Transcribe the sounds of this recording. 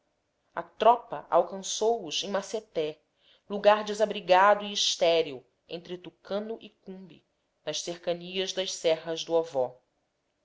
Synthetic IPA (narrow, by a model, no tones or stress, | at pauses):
ɐ̰t̪ɾɔpɐ̰ʔa̰wkɐ̃sowʊzẽj̃maset̪ɛ | luɡaɾd͡ʒɪzabɾiɡad̪ʊiːʃt̪ɛɾiu | ḛ̃nt̪ɾɪt̪ukɐ̃nʊʔikũbḭ | nɐʃseɾkɐniɐzd̪ɐʃsɛɦɐzd̪ʊavɔ